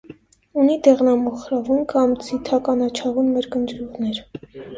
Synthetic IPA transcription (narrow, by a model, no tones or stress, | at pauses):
unid̪ɛʁnɑmɔχɾɑvunkɑmt͡sʰit̪ʰɑkɑnɑt͡ʃʰɑʁunmɛɾkənd̪ɾuʁnɛɾ